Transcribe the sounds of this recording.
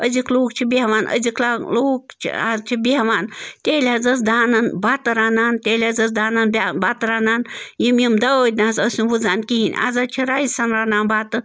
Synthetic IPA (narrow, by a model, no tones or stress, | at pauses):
əzikloːkt͡ʃʰibeɦʋaːnʔə̰zikʰlaːloːkt͡ʃʰḭaːzt͡ʃʰibeɦʋaːnt̪ʲeːlʲaːzɐs̬d̪aːnanbaːt̪ɨɾaːnaːnt̪ʲeːlʲaːzɐs̬d̪aːnanbʲbaːt̪ɾaːnaːnjimjimd̪ɐəd̪ʲnaːzəsʲunʋuzaːnkiɦinʲa̰zat͡ʃʰiɾaːisɐnɾaːnaːnbaːt̪ɨ